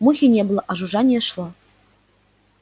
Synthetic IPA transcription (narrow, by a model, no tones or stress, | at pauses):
muxʲinʲeblˠɤʔɑʒuʒɑnʲeʃlˠɤ̆